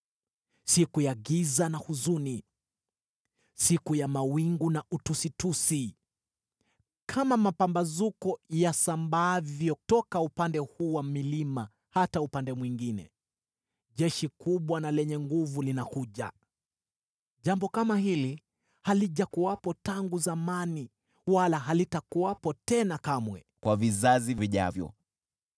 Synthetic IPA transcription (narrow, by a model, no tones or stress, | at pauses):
sikujaɡizanahuzuni | sikujamawiŋɡunaʔutusitusi | kʰamamapambazukɔjasambavjɔtɔkaupandɛhuːwamilima | hataupandɛmwiŋɡinɛ̰ | ʄɛʃikuɓwanalɛɲɛŋɡuvulinakuʄa̰ | ʄambɔkamahili | haliʄakuwapɔtaŋɡuzamani | walaɦalitakuapɔtɛnakamwɛ̰ | kwavizaziviʄa̰vjɔ̰